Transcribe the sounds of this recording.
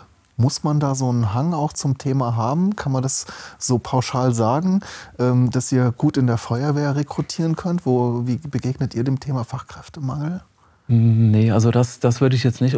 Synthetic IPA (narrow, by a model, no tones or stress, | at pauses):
mʊsmandaːzoːnənɦaŋaʊxt͡sʊmtʰeːmaɦaːbm̩kʰanmandasz̥oːpʰaʊʃaːlzaːɡŋ̩ʔɛːmd̥asʔiːɐɡ̥uːtɪndeːɐfɔʏɐveːɐʁekʁ̥utʰiːʁ̞ənkʰœntv̥oːviːbəɡeːɡnətʔiːɐdeːmtʰeːmafaχkʁ̥ɛftəmaŋl̩ | nəʔalzodasd̥asv̥ʏɐɾəɪçjɛt͡stnɪçt